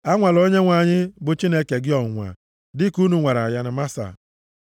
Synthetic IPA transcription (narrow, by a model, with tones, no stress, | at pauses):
a˦ŋʷa˨lo˦ɲe˦ŋʷa˨ɲɪ˦bʊ˨t͡ʃi˦ne˦ke˨ɡɪ˦ɔ˨ŋʷa̰˨ | dɪ˦ku˦nu˨ŋʷa˨ɾa̰˨ja˦nɪ˨ma˦sa̰˨